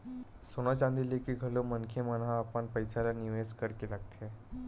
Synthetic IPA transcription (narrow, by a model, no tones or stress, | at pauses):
sonat͡ɕãnd̪ilekiːɡʱəlomənkʰemənaːpəɳpəjsalaniʋeskəɾkilaɡt̪ʰe